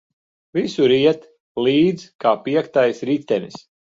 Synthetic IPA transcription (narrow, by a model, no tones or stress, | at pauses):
visuɾiɛt̪ | liːd̪zkaːpiɛkt̪ajsɾit̪ɛnis